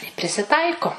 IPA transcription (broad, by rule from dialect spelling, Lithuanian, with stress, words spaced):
ɪ pʲrʲɪsʲɪˈtɐɪkoː